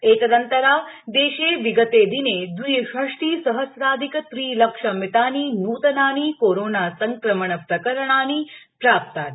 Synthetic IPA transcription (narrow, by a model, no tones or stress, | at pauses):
eːt̪ɐd̪ɐnt̪ɐɾaːd̪eːʃeːʋiɡət̪eːd̪ineːd̪ujɐʃɐʂʈiːsɐɦɐsɾaːd̪ʱikət̪ɾiːlɐkʂɐmit̪aːniːnuːt̪ɐnaːniːkoːɾoːnaːsɐŋkɾɐməɳɐpɾɐkɐɾɐɳ̃aːniːpɾaːp̚t̪aːt̪